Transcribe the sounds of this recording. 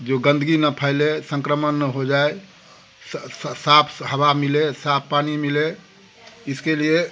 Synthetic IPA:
d͡ʒoɡə̃nd̪əɡinəpʰəɪlesə̃ŋkɾəmənːəɦod͡ʒae | sapʰhəbamilesapʰpːanimile | ɪskelie

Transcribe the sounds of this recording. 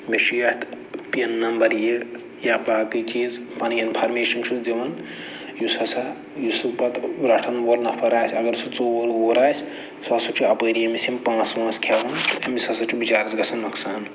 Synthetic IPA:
meʃijɐt̪ | pijɐnːɐmbɐɾje | japlaːkɨt͡ʃiːz | pɐninpʰɐɾmeːʃɐnt͡ʃʰud̪iʋɐn | jusɐsɐ | jusupɐt̪ɾɐʈʰɐnʋolnɐpʰɐɾaːsʰʲɐɡɐɾsut͡soːʋɐɾoːɾaːsʲ | sɐsut͡ʃʰiɐpəːɾijɐmisimpãːt͡sʋãːskʰeːʋɐnɐmisɐsɐt͡ʃʰibit͡ʃaːɾɐzɡɐsɐnmɐksaːn

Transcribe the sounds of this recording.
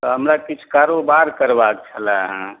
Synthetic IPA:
t̪ɔɦəmɾakit͡ʃʰkaɾobaɾkəɾbak̚t͡ʃʰəlaɦã

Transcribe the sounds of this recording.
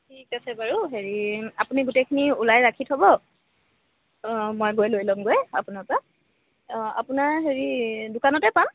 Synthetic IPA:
tʰikasɛbaɹuɦeɹiapuniɡutekʰiniulajɹakʰitɦobɔ | mojɡojlojlɔmɡoja̰punaɹpa | a̰punaɹɦeɹidʊkanɔtɛpam

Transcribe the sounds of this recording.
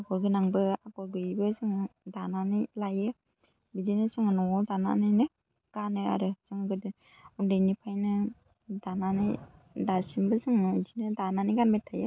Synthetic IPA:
aɡɔɾɡɯnaŋbɯaɡɔɾɡɯbɯzɯŋɯdananɯjlajɯ | bidejnɯsɯŋanɔdana̰nɯjnɯ | ɡ̥anɯa̰ɾɯsɯŋɡɯd | undɯjnipʰajnɯ | dananɯj | dasimbɯzɯŋɯdinɯdananɯjɡanmetʰːajɯ

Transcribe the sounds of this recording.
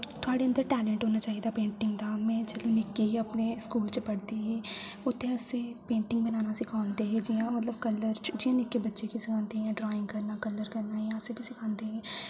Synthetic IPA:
t̪ʊaːɽeə̃nd̪əɾʈɛːlɛ̃ɳʈɦoːnaːt͡ʃaːɦid̪aːpẽːɳʈɪŋɡd̪aːmɛ̃ːt͡ʃəlõːnɪkːiɦiəpneːskuːlt͡ʃəpəɽd̪iːɦɛːʊt̪ʰːẽəsepẽːɳʈɪ̃ŋɡbənaːnasɪkʰãːnd̪eːɦɛ̃ːd͡ʒijãːmət̪ləb̚kələɾt͡ʃd͡ʒijãːnɪkːebətːʃekisɪkʰãːnd̪eɦɛ̃ːɖɾaːɪ̃ŋɡkəɾnaːkələɾkəɾnaːɦiãseːbʱiːsɪkʰãːnd̪eːɦɛ̃ː

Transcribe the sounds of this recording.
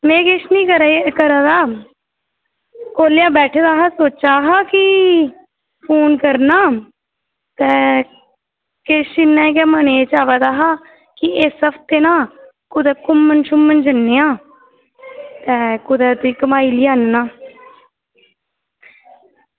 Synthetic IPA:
mẽːkeʃnĩːkəɾkəɾãːd̪aː | koːljãːbɛːʈʰːd̪aːɦaːsoːt͡ʃaːɦaːkɪ | pʰoːnkəɾnaː | t̪ɛ̃ː | keʃɪnːɛ̃ːk̬ɛːməneːt͡ʃaːʋad̪aːɦaː | kɪeːsəpt̪eːnãː | kʊd̪ɛːkʊmːənʃʊmːənd͡ʒənːeːãː | t̪ɛːkʊd̪ɛːt̪iːkəmaːiːliːaːnnaː

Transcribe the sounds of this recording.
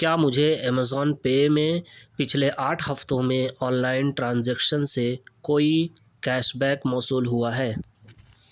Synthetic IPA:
kjaːmʊd͡ʒʱeɛːmezɔːnpeːmẽpɪt͡ʃʰleʔaːʈʰhɐft̪õmẽɔːnlaːɪnʈɾãːnzɛːkʃənsekoːi | kɛːʃbɛːkmɔːsuːlɦuaɦɛː

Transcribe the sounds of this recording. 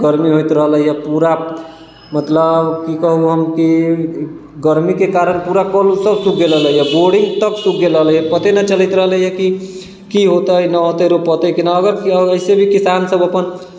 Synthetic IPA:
ɡəɾmiɦojt̪ɾəɦələjapuɾa | mət̪ləbkikəɦuɦəmki | ɡəɾmikekaɾənpuɾakəlsəbsukʰɡeləɦləijɛboɽiŋɡt̪əksuk̚ɡeləɦləijɛpət̪enət͡ʃələɪt̪ɾəɦələjɛki | kiɦot̪əjnəɦot̪əɾopət̪əjkinaəɡəɾəɪsebʱikisansəbəpən

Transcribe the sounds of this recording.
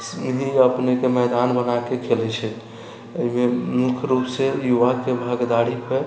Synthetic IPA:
sɦiəpnekemɛd̪anbənakekʰelɛt͡ʃʰɛ | əimemukʰɾupsejuʋakebʱəɡd̪aɽipʰe

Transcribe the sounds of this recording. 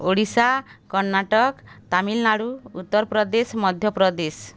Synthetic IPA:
oɽisakɔɾnaʈɔkt̪amilnaɽuut̪ːɔɾpɾɔd̪esmɔd̪ʱjɔpɾɔd̪es

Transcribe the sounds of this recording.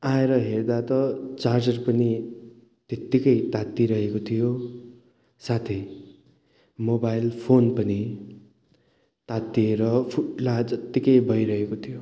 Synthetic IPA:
aeɾʌɦerd̪at̪ʌt͡sard͡zʌrpʌni | t̪et̪ːikʌjt̪at̪ːiɾʌɦekot̪ʰijo | sat̪ʰij | mobajlpʰonpʌni | t̪at̪ːieɾʌpʰuʈlad͡zʌt̪ːikʌjbʱʌjɾʌɦekot̪ʰijo

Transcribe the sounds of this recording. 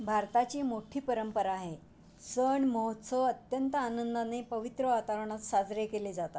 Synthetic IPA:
bʱaɾt̪at͡ɕiːmoʈʰiːpəɾəmpəɾaːɦe | səɳməɦot̪səʋət̪jənt̪əanənd̪anepəʋit̪ɾəʋat̪aʋɳ̃at̪sad͡zɾekeleːd͡zat̪at̪

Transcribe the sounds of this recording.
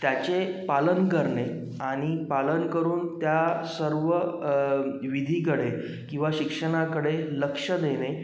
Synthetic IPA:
t̪jat͡ɕepalənkəɾɳe | aɽ̃ipalənkəɾuːnt̪jasəɾʋə | ʋid̪ʱikəɽe | kĩw̃ʋaɕikʂəɽ̃akəɽeləkʂəd̪ene

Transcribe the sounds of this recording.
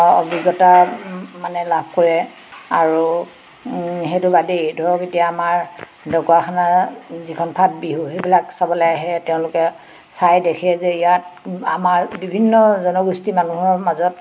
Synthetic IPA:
ɔ̰biɡɔtamanɛlabʱkɔɹɛ | aɹu | ɦetʊbadejdʱɔɹɔketijaːmaɹ | dɔkɔaxʰanazikʰɔnpʰat̚biɦuɦebilaksabɔlaaɦɛtɛʊ̃lʊkɛ | sajdekʰɛzɛijat̚amaɹbibʱinːɔzɔnɔɡustimanuɦɔɹmazɔt̚

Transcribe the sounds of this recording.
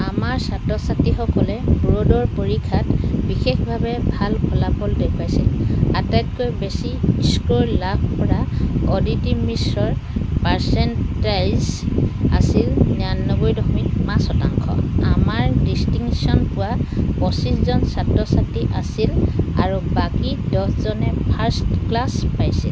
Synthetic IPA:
amaɹsatɔsatːixɔkɔlɛbɹodɔɹpoɹikʰatbixexbʱabɛbʱalkʰɔlapɔldepajsilatajtkojbesiskoɹlap̚ʰpɔɹaɔditimisɹɔɹpaɹsɛntajza̰silnanːɔbojdɔxmitmãsɔtaŋkʰɔ̰amaɹdistiŋsiɔnpʊwapɔsiszɔnsatɹɔsatiʔasilaɹubakidɔszɔnɛpʰaɹstklaspajsil

